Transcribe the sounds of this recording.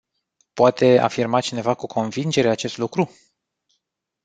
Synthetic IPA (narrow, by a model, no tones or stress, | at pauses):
poat̪ʰe̞a̰firmat͡ʃine̞vakukʰo̞nvind͡ʒe̞ɾe̞at͡ʃe̞st̪lukɾu